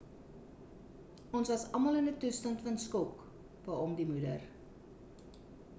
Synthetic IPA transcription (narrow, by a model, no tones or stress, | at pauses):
ʔɔnsvɐsɐmɐlənətustɐntfɐnskɔk | bɐːɔmdimudə̰r